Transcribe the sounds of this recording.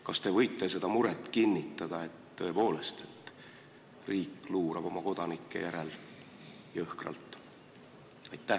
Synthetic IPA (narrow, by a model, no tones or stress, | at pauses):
kɑst̪e̞vɤjt̪ːˑe̞s̬e̞d̪̥ɑmuɾet̪ːˑkinʲːit̪ˑːɑd̪̥ɑe̞t̪ːɤe̞po̞ːle̞st̪e̞̥t̪ːˑ | riːkːˑluːɾɑb̥o̞mɑko̞d̪̥ɑnikːˑe̞̰jæɾel | jɑɤhkrɑ̰lt̪ːˑ | ɑjt̪ːˑæ